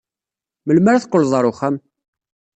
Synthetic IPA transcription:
məlmæɾaθqːolzˤɑɾˤʊχæm

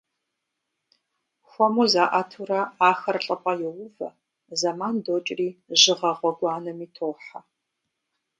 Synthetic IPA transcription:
xʷɔmuzaːʔatʰurɐaːxɐrɬʼɐpʼɐjɛwʊvɐ̰ | zɐmaːndoːt͡ʃʼriːʒɪʁɐʁʷɔɡʷɑːnɐmiːtʰoːħa

